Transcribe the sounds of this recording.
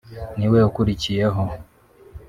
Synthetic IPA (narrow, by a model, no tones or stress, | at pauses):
niwɛukuɾit͡ʃiɛɦɔ